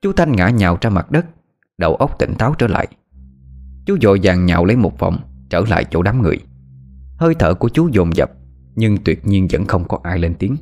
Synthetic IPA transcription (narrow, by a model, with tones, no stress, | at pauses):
t͡ɕu˨˦t̪ʰa˧jŋ̟ŋa̰ː˧˩˥ɲaː˨˩wt͡ɕaː˧ma˨˩t̚ɗə˦˥t̚ | ɗə̰˧˩wʔə˦˥wk͡p̚t̪ḭ̈˧˩ŋ̟t̪aː˨˦wt͡ɕəː˧˩la̰ː˧˨j | t͡ɕu˨˦zo̰˧˨jzaː˨˩ŋɲaː˨˩wlə˨˦jmo˨˩t̚fɔ̰˨˩wŋ͡mt͡ɕəː˧˩la̰ː˧˨jt͡ɕo̰˧˩ɗaː˨˦mŋɨ˨˩əj | həː˧jt̪ʰəː˧˩ku˧˩ət͡ɕu˨˦zo˨˩mzə̰˨˩p̚ | ɲɨ˧ŋt̪wi˨˩ət̚ɲi˧ənzə̰˧˥nxə˧wŋ͡mkɔ˨˦ʔaː˧jle˧nt̪i˨˦əŋ